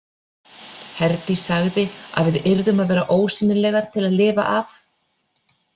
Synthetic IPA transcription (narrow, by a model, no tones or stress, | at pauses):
hɛɾt̪isaɣðɪa̰ðvɪðɪɾðʏmaðvɛːɾaʔoːwsiːnɪlɛːɣaɾ̥t̪ʰɪlaðlɪːva̰ʔaf